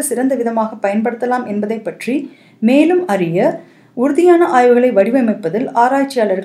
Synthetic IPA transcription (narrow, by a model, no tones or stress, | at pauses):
ɐsɪɾɐnd̪ɐʋɪðɐmaːɣɐpːɐjɐnpɐɽɯt̪ːɐlaːmɛnbɐðɐɪpːɐʈri | meːlɯmɐrɪjɐ | ʊɾʊðɪjaːnɐʔaːjʋɯɣɐɭɐɪʋɐɽɪʋɐmɐɪpːɐðɪlaːɾaːt͡ʃːɪjaːlɐɾɣ